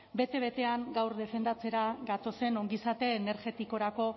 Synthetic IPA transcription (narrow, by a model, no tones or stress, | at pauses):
be̞t̪eβ̞e̞t̪e̞aŋɡawɾðe̞fe̞nd̪at͡se̞ɾaɡat̪o̞se̞no̞ŋɡisat̪e̞ːneɾʝe̞t̪iko̞ɾako̞